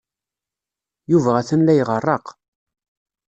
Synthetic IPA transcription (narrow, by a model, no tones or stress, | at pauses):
juvææθənlæjʁərˤːɑq